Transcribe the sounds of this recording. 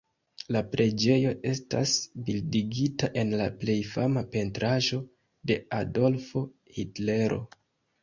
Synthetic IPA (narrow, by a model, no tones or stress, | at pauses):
lapɾʔe̞d͡ʒe̞jo̞ʔe̞sta̰sbildiɡitaʔe̞nlaple̞jfamape̞ntɾaʒo̞ | de̞ado̞lfo̞ | hitle̞ɾo̞̰